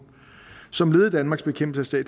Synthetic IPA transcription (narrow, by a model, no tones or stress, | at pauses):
sɒ̽mle̝ːð̞̩ˠd̥ænmɑ̈ɡsb̥e̝kʰemb̥̩səæsd̥ɛ̰ːd̥